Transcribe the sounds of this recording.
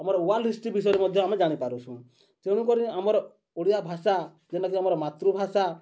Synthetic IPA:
amɔɾɔuwalɾisʈibis̬ɔjɾɔmɔd̪ʱjɔamɛd͡ʒaɽ̃ipaɾusʰũ | t͡ʃeɽũkɔɾĩamɔɾɔ | uɽijabʱasa | d͡ʒɛnakiamɔɾmat̪ɾubʱasa

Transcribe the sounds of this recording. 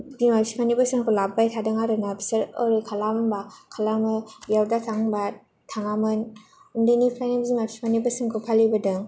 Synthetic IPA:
dimapsi̥pʰanibasɯŋkʰɯlabajtʰadɯŋaɾɯnabseɾɯɾɯkʰalambakʰalamɯjawdatʰaŋba | tʰaŋamɯn | ɯŋdɯnipʰlajnabzimapsi̥pʰanibasɯŋkʰɯpʰalibadɯŋ

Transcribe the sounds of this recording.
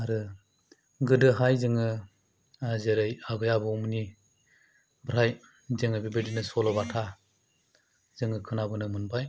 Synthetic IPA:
aɾɯ | ɡɯdɯɦajzɯŋɯ | zeɾɯjaɡɯjabɯumni | bɾaj | zɯŋɯbibedinɯsɔlɔbatʰa | zɯŋɯkʰɯnabɯnɯmɯnbaj

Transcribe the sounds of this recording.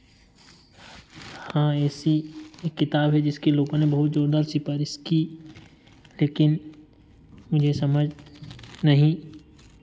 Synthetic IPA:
hãːɛːsieːkːɪt̪aːbɦɛd͡ʒɪskeloːɡõnebɐɦʊt̪̚d͡ʒoːɾd̪aːɾsɪfaːɾɪski | leːkɪn | mʊd͡ʒʱesɐməd͡ʒʱ | nɐɦĩ

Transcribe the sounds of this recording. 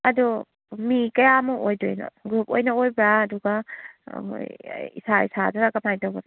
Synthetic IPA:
ɐdu | mikɐjamuʔojdojnɐ̰ɡɾupojnɐojbɾaːduɡa̰ | o̰jḭsaisadaɾaɡapmajdawbaɾ

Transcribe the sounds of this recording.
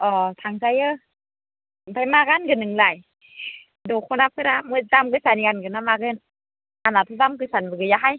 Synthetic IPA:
ʔɔːt̪ʰaŋsajə | pʰajmaːkankɯnːɯŋlaj | dokʰonap̚ʰɯɾamɯtamkɯsaniankɯnamaːkɯn | ʔanlat̪ʰutamk̬ɯsanbɯkɯjaɦaj

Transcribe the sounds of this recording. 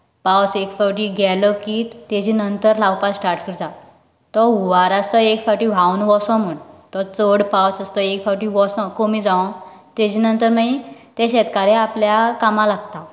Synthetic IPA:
pawsekfɔwʈiɡɛlɔkiːt̪ed͡ʑinənt̪əɾlawpassʈaɾʈkʰiɾd͡z̪a | t̪ɔuʋaɾast̪ɔekfaʈiʋ̤awnʋɔsɔ̃m̤əɳt̪ɔt͡səɽpawsast̪ɔekfawʈiʋɔsɔ̃komiːd͡zaʋɔ̃ | t̪ed͡ʑiːnənt̪əɾmait̪eɕɛt̪kaɾeapljakamãlaɡ̚t̪a

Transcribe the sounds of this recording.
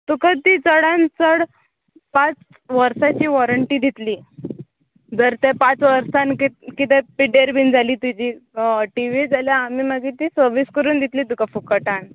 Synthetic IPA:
t̪ukət̪it͡səɽãnt͡səɽ | pãt͡s | ʋəɾsat͡ɕiːʋɔɾəɳʈiːd̪ʱit̪liː | d͡zəɾt̪ẽpat͡sʋəɾsankikit̪ɛpiɖeɾbʱind͡zʱaliːt̪id͡ʑiːʈiʋid͡zʱaljaːmiːməɡiːt̪iːsəɾʋiskəɾuːnd̪ʱit̪liːt̪ukafukəʈaɳ

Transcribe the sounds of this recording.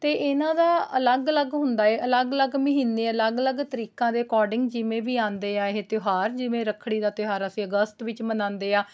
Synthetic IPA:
t̪eːʔɪnãːd̪aːələɡələɡɦʊ̃nd̪aːeːʔələɡələɡməɦiːnːeːələɡələɡt̪əɾiːkãːd̪eːkɔːɾɖɪ̃ŋɡd͡ʒɪʋẽːʋiːãːnd̪eːaːɪɦet̪ʊɦaːɾd͡ʒɪʋẽːɾəkʰɽ̃iːd̪aːt̪ɪɦaːɾəsĩːəɡəst̪ʋɪt͡ʃmənãːnd̪eːaː

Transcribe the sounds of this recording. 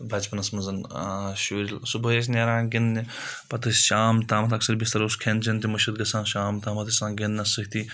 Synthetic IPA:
bʱɐt͡ʃpɐnɐsmɐnzɐnʃuːɾilsubɐeːs̬nʲeːɾãːɡinni | pɐt̪ɨʃaːmt̪aːmɐt̪ʰɐksɐɾbist̪ɐɾɐuskʰent͡ʃʰɐnt̪̬imɐʃɐt̪ɡɐsãːnʃaːmt̪aːmɐt̪isãːɡʲinnɐsɨkt̪iː

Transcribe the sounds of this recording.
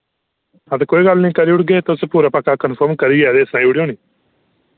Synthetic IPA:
ət̪ẽːkoːiːɡəlnĩːkəɾiːʊɽɡeːt̪spuːɾaːpəkːaːkənpʰəːɾmkəɾiːɛːd̪eːəsnãːiʊɽjõːniː

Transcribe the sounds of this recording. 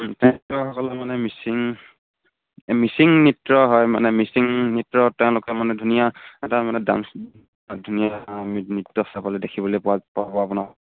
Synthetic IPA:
tɛ̃tɔxɔkɔlɛmanɛmisiŋ | misiŋnitɹɔɦɔjma̰nɛmisiŋnitɹɔtɛʊ̃lʊkɛmanɛdʱunijaɛtamanɛda̰m | dʱunijaminitːɔsapalɛdekʰibɔlɔjpɔapabɔapʊna

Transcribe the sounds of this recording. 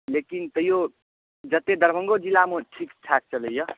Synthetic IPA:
lekint̪ʌjo | d͡zʌt̪ed̪ʌɾbʱʌŋɡod͡zilamoʈʰikʈʰak̚t͡sʰʌlejʌ

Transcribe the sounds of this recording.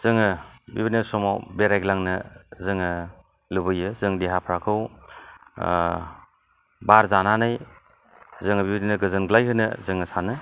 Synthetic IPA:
z̥ɯŋɯbḭbineɾsɔmawbeɾajɡlaŋnɯzɯŋɯ | lɯbɯjɯzɯŋdeɦapʰɾakʰɯw | baɾzananɯj | zɯŋɯbibninɯɡɯzɯnɡlajɦɯnɯzɯŋɯsanɯ

